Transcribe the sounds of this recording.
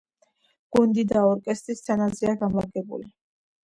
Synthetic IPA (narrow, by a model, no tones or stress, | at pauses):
ɡ̥und̪id̪aɔɾkʼɛst̪ʼɾist̪ʰanazɛaɡamlaɡɛbṵli